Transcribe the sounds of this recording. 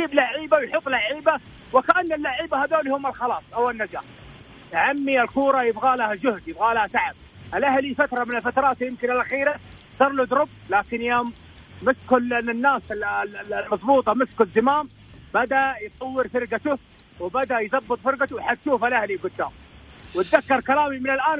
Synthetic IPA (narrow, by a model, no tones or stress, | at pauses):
d͡ʒiːblaʕiːbawjħʊt̪ˤːlaʕiːba | wɪkaʔanːalːaʕiːbahad̪oːlhʊːmalxɑlɑːsˤʔawɪnːad͡ʒa̰ːħ | jʕamːialkuːɾˤɑjɪbɣaːlahad͡ʒʊhd̪jɪbɣaːlahasaʕab̚ | alʔahlifat̪ɾˤɑmɪnɪlfat̪ɾˤɑːt̪jɪmkɪnɪlʔaxiːɾa | zˤɑɾˤlʊd̪ɾʊblaːkɪnjoːmː | ɪskʊlʔɪnɪnːaːs | lmɑzˤbuːt̪ˤɑmɪskʊzːɪmaːm | bad̪aʔjt̪ˤɑwːɪɾfɪɾɡat̪ʊ | wɪbad̪aʔjðɑbːɨt̪ˤfɪɾɡat̪ʊħat̪ʃuːfalʔahliɡʊd̪ːaːmwɪt̪ðakːɑɾˤkalaːmimɪnɪlʔaːn